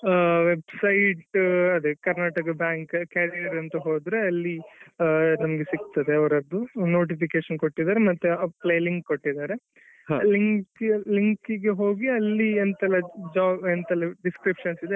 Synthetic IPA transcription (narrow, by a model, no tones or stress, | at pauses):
ʋebsɐjʈɐd̪ekɐɾnaːʈɐkɐbjaːŋkkaːɾijɐɾɐnt̪ɐɦoːd̪ɾeɐlːi | nɐmɐɡesikt̪ɐd̪eɐʋɐɾɐd̪ːunoːʈ̬ipʰikeːʃɐnkoʈːid̪aːɾemɐt̪ːuɐplejliŋkkoʈːid̪aːɾe̞ | ɦliŋkliŋkiɡeɦo̞ːɡiɐlːient̪ɐlːɐd͡ʒaːbent̪ɐlːɐɖiskɾipʂɐnsid̪e